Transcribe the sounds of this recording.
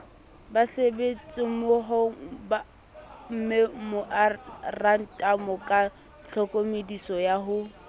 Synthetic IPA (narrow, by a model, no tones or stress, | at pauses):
basebet͡sʼɪmʊɦʊba | m̩memʊʔaran̩tʼamɔkʼa | t͡ɬʰɔkʼomedisɔjaɦʊ